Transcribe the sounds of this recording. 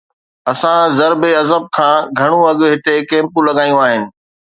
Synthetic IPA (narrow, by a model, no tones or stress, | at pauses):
ɐsãzɐɾbeɐzəb̚kʰãːɡʱɐɽ̃ũɐɠɦɪt̪ekẽːmpũlɐɠaːjũaːɦɪnɪ̆